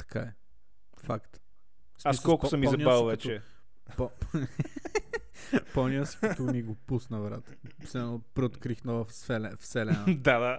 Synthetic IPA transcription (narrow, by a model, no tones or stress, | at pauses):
t̪ɐ̥ka̰ɛ | fakt̪ | saisskɔlˠkʊsəmːizɐnibalˠvɛt͡ʃɛ | pɔ | pɔniəskət̪omiɡopusnɐvɾat̪ə̥ | sɛnopɾɛot̪kɾixnɔvəfsɛlɛfsɛlɛnd̪ad̪a